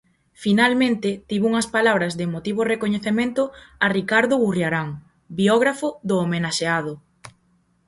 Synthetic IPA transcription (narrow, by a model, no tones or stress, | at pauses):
finalmẽnt̪ɪt̪iβuŋɐspalaβ̞ɾɐzðemot̪iβ̞orekoɲeθemẽnt̪ʊarikaɾðʊɣurjaɾaŋ | biɔɣ̞ɾafʊðʊomenaʃeað̞ʊ